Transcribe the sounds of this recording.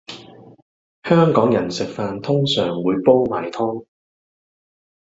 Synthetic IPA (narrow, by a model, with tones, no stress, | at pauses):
hœː˥ŋkɔː˨˥ŋjɐ˨˩nsɪ˨k̚faː˨˧nt̪ʰʊ˥ŋsœː˨˩ŋwuː˨˧jpɔː˥wma̰ː˨˩jt̪ʰɔː˥ŋ